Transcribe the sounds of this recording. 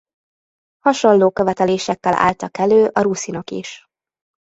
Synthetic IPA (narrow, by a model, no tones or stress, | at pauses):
hɒʃo̞nloːkø̞vɛt̪ɛleːʃɛkːɛlʔa̰ːlt̪ɒkɛløːʔɒɾusinɒkḭʃ